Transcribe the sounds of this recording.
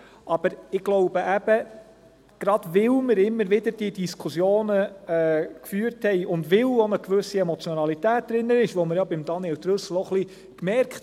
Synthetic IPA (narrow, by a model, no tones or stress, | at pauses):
ʔɑb̥əɾɪɡ̥lɔʊb̥əʔæb̥ə | ɡ̥ɾɑd̥ʋɪlməɾɪmːəɾʋɪdəɾd̥iədiskʰusjoːnəɛːkfyːəɾthɛjʔʊndʋɪlonəkʋɵsiɛmɔt͡sjɔnɑlit̪æːt̚d̥̪ɾɪnːənɪʃʋoməɾjɑbɪmd̥̪ɑniɛlt̪ɾɵsl̩ɔχli | kmɛɾkχt